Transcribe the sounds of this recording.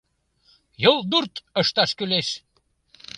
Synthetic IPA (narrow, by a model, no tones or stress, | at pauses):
jolˠd̪urt̪əʃt̪ɑʃkyleʃ